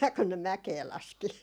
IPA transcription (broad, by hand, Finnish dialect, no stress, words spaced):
kun ne mækeː lɑski